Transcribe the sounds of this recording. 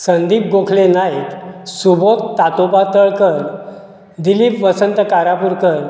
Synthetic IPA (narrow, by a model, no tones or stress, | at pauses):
sənd̪iːp̚ɡokʰlenajk̪subot̪ːat̪opat̪əɭkəɾ | d̪ilipʋəsənt̪əkaɾapuɾkəɾ